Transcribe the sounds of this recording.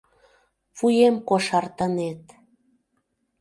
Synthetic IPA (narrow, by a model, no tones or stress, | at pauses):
fujemkoʃɑrt̪ənet̪